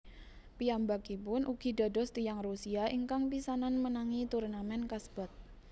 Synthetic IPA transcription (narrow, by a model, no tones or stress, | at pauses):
pijambakipʊnʔuɡ̥i̤dɔ̤dɔ̤st̪ijaŋrusiaʔiŋkaŋpisananmənaŋit̪urnamɛnkasb̥ɔt̪̚